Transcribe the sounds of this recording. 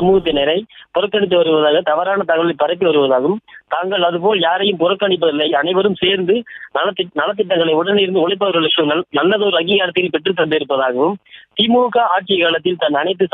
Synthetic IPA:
ɐmuːɣɐt̪ːɪnɐɾɐɪpʊɾɐkːɐɳɪt̪̬ːɯʋɐɾɯʋɐðaːɣɐt̪ɐʋɐɾaːnɐt̪ɐɣɐɭɐɪpːɐɾɐɪp̬ːɯʋɐɾɯʋɐðaːɣɯmt̪aːŋɡɐɭɐðɯpoːljaːɾɐjɯmpʊrɐkːɐɳɪp̬ːɐðɪlːɐɪɐnɐɪʋɐɾɯmseːɾnd̪ɯnɐɐnɐlɐt̪̬ːɪʈːɐŋɡɐɭɐɪʊɽɐnɪɾɯnd̪ɯʊlɐɪp̬ːɐɾɐlɐkːɯnɐlːɐðoːɾɯɐŋɡiːɣaːɾɐt̪ːɪjɪlpɛʈːrɯt̪̬ːɐnd̪ɪɾɯpːɐðaːɣɐʋɯmt̪iːmuɻukːaːaːʈ̚t͡ʃɪjɐkaːɭɐt̪̬ːɪlt̪ɐnːɐnɐɪt̪̬ːɯs

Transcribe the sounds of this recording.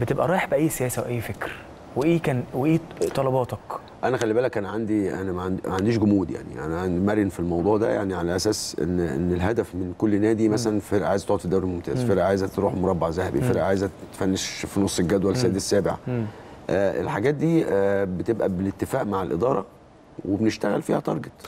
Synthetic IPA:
bet̪ebʔæɾˤɑːjħbæʔæjːsejæːsæwʔæjːfekɾ | weʔeːkæːnweʔeːt̪ˤɑlɑbɑːt̪ɑk | ʔænæxælːibæːlækʔæːnʕand̪iʔæ̰næmæʕand̪mæʕand̪iːʃɡʊmuːd̪ja̰ʕnḭʔæ̰næʕand̪imæɾjenfilmɑwd̪ˤuːʕd̪æ̰jaʕniʕalæʔæsæːsʔḛnːʔḛnːelɦæd̪æfmenkolːnæːd̪imæsælænfeɾʔʕaːjezt̪oʕt̪id̪ːæwɾilmomt̪æ̰ːzfeɾʔæʔʕaːjezæt̪ɾuːħmoɾˤɑbːaʕzæhæbḭfeɾʔæʔʕaːjezæt̪ːfænːeʃfinosˤːelɡæd̪wælsæːd̪sːæːbeʕa̰ | ʔæːʔḛlħaɡæːt̪̚d̪iːbet̪ebʔæbelet̪ːefæːʔmaʕalʔed̪ˤɑːɾˤɑ̰ | webeneʃt̪æɣælfiːhæt̪ˤɑɾˤɡet̪ˤ

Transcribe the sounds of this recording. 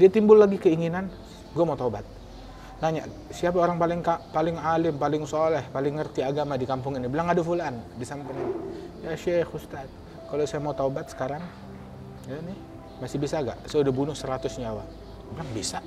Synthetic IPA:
diat̪imbʊlːaɡikəiŋinan | ɡuamaut̪aubat̪̚ | naɲa̰ʔ | siap̬aoɾaŋpalɪŋkapalɪŋalɪmpalɪŋsolɛhpalɪŋːərt̪iaɡamadikampʊŋinibilaŋadafulandisampəlanjaʃɛxust̪at̪̚ | kalosajamaut̪aubat̪̚sə̥kaɾaŋ | janɪ | masɪbisaɡa̰ʔsajaudahbunʊhsəɾat̪ʊsɲawa | bilaŋbisa

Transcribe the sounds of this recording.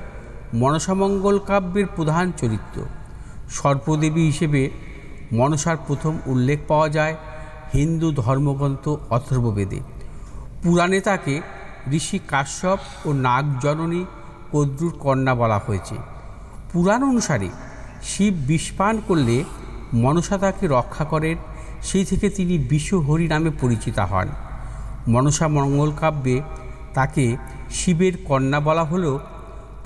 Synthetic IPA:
mɔnoʃamɔŋɡolkabːeɾpɾod̪ʱant͡ɕoɾit̪ːo̰ | ʃɔɾbod̪ebiɦiʃebe | mɔnoʃaɾpɾot̪ʰomulːek̚ʰpaoad͡ʑae | hind̪ud̪ʱɔɾmoɡɾɔnt̪oɔt̪ʰoɾbobed̪ḛ | puɾanet̪ake | ɾiʃikaʃɔb | onaɡd͡ʑɔnoni | kod̪ɾuɾkɔnːabɔlahoet͡ɕʰḛ | puɾanonuʃaɾḛ | ʃibːiʃpankoɾlemɔnoʃat̪akeɾɔkʰːakɔɾen | ʃejt̪ʰeket̪inibiʃoɦoɾinamepoɾit͡ɕit̪a̰ɦɔ̰en | mɔnoʃamɔŋɡolkabːet̪ake | ʃibeɾkɔnːabɔlaɦole

